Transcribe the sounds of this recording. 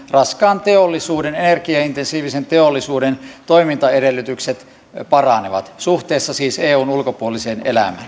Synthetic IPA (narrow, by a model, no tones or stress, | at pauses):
rɑskɑːnt̪eolːisuːdenenerkiɑint̪ensiːʋisent̪eolːisuːdent̪oimint̪ɑeɾelːˑyt̪ykset̪ | pɑrɑneʋɑ̰t̪suht̪eːsːɑsiːseːuːnulkopuoliseːnelæ̰mæ̰ːn